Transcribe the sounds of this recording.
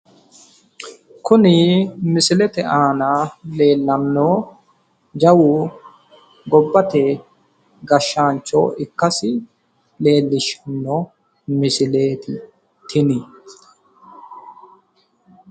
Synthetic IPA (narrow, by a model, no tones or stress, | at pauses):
kʊnɪmɪsɪlɛt̪ɛʔaːnale̞ːlːɐnːoː | d͡ʒɐwu | ɡɔbːɐt̪ɛ | ɡɐʃːaːnt͡ʃːo̰ːɪkːɐsɪ | le̞ːlːɪʃɐnːo | mɪsɪleːt̪ɪ | t̪ʰɪnɪ